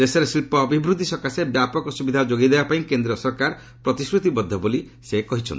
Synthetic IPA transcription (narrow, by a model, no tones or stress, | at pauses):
eseɾesilpɔːbʱibɾud̪ʱisɔkasebjapɔkɔsubid̪ʱad͡ʒoɡid̪ebapaĩkend̪ɾiɔsɔɾkaɾ | pɾɔt̪iskɾut̪ibɔd̪ʱːɔboli | sekɔɦit͡ʃʰɔ̰nt̪i